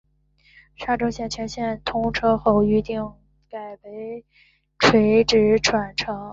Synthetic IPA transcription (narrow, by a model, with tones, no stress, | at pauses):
ʂa˥˩ʈ͡ʂo˥ʊɕjɛ˥˩nt͡ɕʰɥɛ˧˥nɕjɛ˥˩nt̪ʰʊ˥ŋʈ͡ʂʰɤ˥xo˥˩ʊy˧˥t̪i˥˩ŋ | ka˨˩ɪpe˧˥ɪ | ʈ͡ʂʰwe˧˥ɪʈ͡ʂɻ̩˧˥ʈ͡ʂʰwa˨˩nʈ͡ʂʰɤ˧˥ŋ